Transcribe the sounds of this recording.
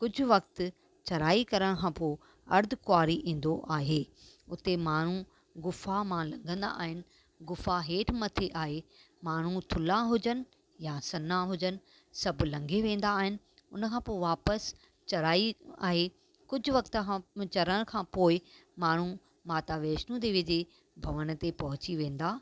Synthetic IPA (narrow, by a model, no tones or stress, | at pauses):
kʊd͡ʑʱʊʋɐkt̪ | t͡ɕɐɾaːikɐɾəɽ̃kʰãːpoːɪ | ɐɾd̪ʱkʊwaːɾiʔĩːn̆d̪oʔaːɦeːʊt̪emaːɳ̤u | ɡʊfamãlɐ̃ŋɡʱə̃nd̪a̰ʔːɦɪnɪ̆ | ɡʊfaɦeːʈʰmɐt̪ʰeʔaːɦe | maːɳ̤ut̪ʰʊlaɦʊd͡ʑənɪ | jasɐnaɦʊd͡ʑənɪ̆ | sɐbʱlɐ̃ŋɡʱeʋẽːn̆d̪aːɦɪnɪ̆ | ʊnəkʰãːpoːɪʋaːpəs | t͡ɕɐɾaːia̰ːɦe | kʊd͡ʑʱʊ̆ʋɐkt̪əãt͡ɕɐɾəɽ̃kʰãːpoːɪmaːɳ̤u | maːt̪aːʋeːʃnũd̪iʋɪd͡ʑe | bʱɐʋəɽ̃t̪epɐɦʊt͡ɕiʋẽːn̆d̪aː